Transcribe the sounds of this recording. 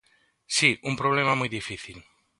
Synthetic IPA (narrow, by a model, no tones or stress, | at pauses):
siumpɾoβ̞lemamujðifiθil